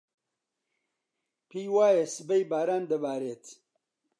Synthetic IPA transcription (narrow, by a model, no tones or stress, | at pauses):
pʰijwaːjesɨbejbaːɾaːnd̪ɐbaːɾeːt̪